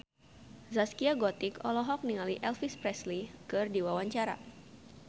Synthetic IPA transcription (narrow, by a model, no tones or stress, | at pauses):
zaskiaɡɔt̪ikɔ̰lɔɦɔk̚niŋaliʔɛlfispɾɛslikɨrdiwawaɲt͡ʃaɾa̰